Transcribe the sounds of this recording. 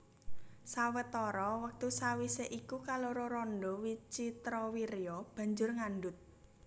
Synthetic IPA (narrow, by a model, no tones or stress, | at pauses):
sawət̪ɔɾɔwək̚t̪usawiseʔikukaloɾoɾɔnɖɔwit͡ʃit̪ɾɔwiɾjɔb̥a̤ɲd͡ʒʊrŋanɖʊt̪̚